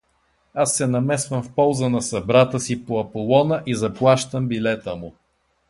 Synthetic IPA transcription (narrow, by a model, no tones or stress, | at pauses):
asːɛnɐmɛsvəmfpɔlˠzənɐsɐbɾat̪əsipoɐpolˠɔnəʔizɐplˠaʃt̪əmbilɛt̪əmʊ